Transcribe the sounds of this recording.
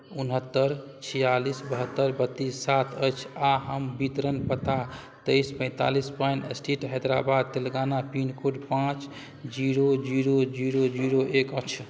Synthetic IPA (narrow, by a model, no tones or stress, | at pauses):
unɦət̪ːəɾt͡ʃʰijalisbəɦət̪ːəɾbət̪ːisːat̪ʰəjt͡ʃʰaɦəmbit̪ɾənpət̪a | t̪ejspə̃ɪ̃t̪a̰lispajnəsʈiʈɦɛd̪ɾabad̪̚t̪elɡanapinkoɖpãt͡ʃ | d͡ʒiɾod͡ʒiɾod͡ʒiɾod͡ʒiɾoʔekəkt͡ʃʰ